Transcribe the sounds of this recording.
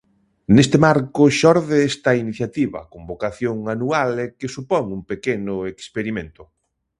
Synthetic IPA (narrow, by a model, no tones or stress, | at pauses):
nest̪ɪmaɾkʊʃɔɾðeest̪ɐiniθjat̪iβɐ̰kombokaθjoŋanualekesupɔŋumpekenʊekspeɾimẽnt̪ʊ